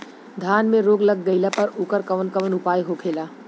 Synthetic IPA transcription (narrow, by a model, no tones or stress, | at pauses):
d̪ʱaːnmẽɾoːɡlɐɡɡɐjlapɐɾʊːkəɾkɐʋənkɐʋənʊpaːjɦokʰeːlaː